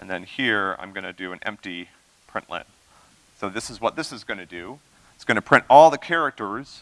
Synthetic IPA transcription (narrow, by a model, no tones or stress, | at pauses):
ʔɨ̃nðɨ̃nhiɹã̰ɪ̃mɡʌnɨdɨɨ̃nɛ̰̃mp̚ti | pʰɹ̥ɪ̰̃nʔlɪ̰̃n | soʊðɪsɨzwʌt̪̚ðɪsɨzɡʌnɨdʉ | ɪtsɡ̥ʌñɨpʰɹ̥ɪ̃ntɔlˠðɨkʰɛɹɨk̚tə˞z̥